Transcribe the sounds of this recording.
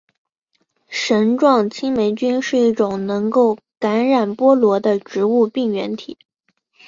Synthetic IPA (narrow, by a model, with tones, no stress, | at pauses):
ʂə˧˥nʈ͡ʂwɑ˥˩ŋt͡ɕʰi˥ŋme˧˥ɪt͡ɕy˥nʂɻ̩˥˧i˥˩ʈ͡ʂʊ˨˩ŋnɤ˧˥ŋko˥˩ʊ | ka˧˥nɻa˨˩npwɔ˥lwɔ˧˥d̪ə˧ʈ͡ʂɻ̩˧˥u˥˧pi˥˩ŋɥɛ˧˥nt̪ʰi˨˩˦